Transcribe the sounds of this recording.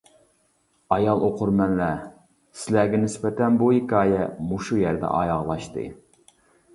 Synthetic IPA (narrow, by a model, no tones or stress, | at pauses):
ɑjɑlˠoqʰʊɾmɛnlæ | sɪlæɡʲɛnɪspɛt̪ɛnbuhikʲɑːjɛmuʃujɛɾd̪ɛ̰ʔɑ̰jɑʁlˠɑʃt̪ɨ̰